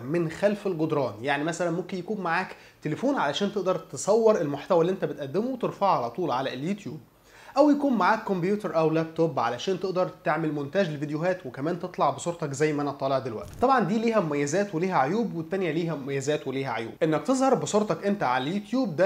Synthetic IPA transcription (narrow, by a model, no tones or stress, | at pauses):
menxælfelɡod̪ɾˤɑːnjaʕnimæsælænmomkenjækuːnmaʕaːk | t̪elefuːnʕalæʃæːnt̪eʔd̪ɑɾˤt̪esˤɑwːeɾʔelmoħt̪æwælːiʔent̪æbet̪ʔæd̪ːemowet̪eɾfɑʕalæt̪ˤuːlʕalæljut̪juːb̚ | ʔæwjækuːnmaʕaːkːombjuːt̪eɾˤʔæwlæb̚t̪obʕa̰læʃæːnt̪eʔd̪ɑɾˤt̪eʕmelmont̪æʒlelvid̪ejoɦæːt̪wekæmæːnt̪et̪ˤlɑʕbesˤuːɾt̪ɑkzæjːmæʔænæʔt̪ˤɑːleʕd̪elwæ̰ʔt̪i̥t̪ˤɑbʕɑnd̪iːliːhæmomæjːæzæːt̪weliːɦæʕojuːbwet̪ːænjæliːɦæmomæjːæzæːt̪weliːhæʕo̰jṵːbʔenːæk̚t̪ezˤhɑɾˤbesˤoːɾˤt̪ɑkʔent̪æʕalæljut̪juːb̚d̪æ